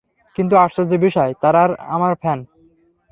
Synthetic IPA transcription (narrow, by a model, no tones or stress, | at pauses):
kint̪uaʃtad͡ʑebiʃɔet̪aɾaɾa̰maɾfʰɛn